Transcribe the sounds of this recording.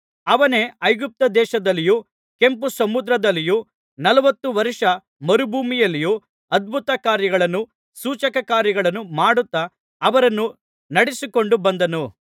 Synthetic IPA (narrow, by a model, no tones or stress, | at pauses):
ɐʋɐne̞ɐjɡup̚t̪ɐd̪ɛːʃɐd̪ɐlːiju | ke̞mpusɐmud̪ɾɐd̪ɐlːiju | nɐlɐʋɐt̪ːuʋɐɾiʂɐ | mɐɾubʱuːmijɐlːiju | ɐd̪̚bʱut̪ɐkaːɾjɐɡɐɭɐnːu | suːt͡ʃɐkɐkaːɾjɐɡɐɭɐnːumaːɽut̪ːɐː | ʋɐɾɐnːu | nɐɽisiko̞ɳɖubɐnd̪ɐnu